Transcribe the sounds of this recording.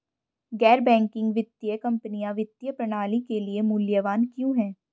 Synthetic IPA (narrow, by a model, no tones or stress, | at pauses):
ɡɛːɾbɛ̃ːŋkɪ̃ŋɡʋɪt̪ːjəkɐ̃mpənijãʋɪt̪ːjəpɾɐɽ̃aːlikeliemʊljəʋaːnkjũɦɛ̃ː